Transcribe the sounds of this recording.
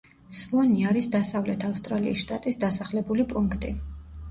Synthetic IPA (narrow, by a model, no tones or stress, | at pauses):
svɔniaɾisd̪asavlɛt̪ʰafst̪ʼɾalḭisʃt̪ʼat̪ʼisd̪asaχlɛbulipʼuŋkʰt̪ʼi